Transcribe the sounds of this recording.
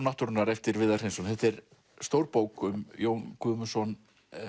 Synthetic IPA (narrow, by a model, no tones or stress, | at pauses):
naht̪ʏɾʏnaɾɛft̪ɪɾvɪðar̥ejnsɔnθɛht̪ɛɾ | st̪owɾpoːwkʏmjoːwnkʰʏːmʏsɔn